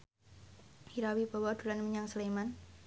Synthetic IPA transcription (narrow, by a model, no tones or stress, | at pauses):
hiɾawib̥awad̪̥ulanməɲaŋsəleman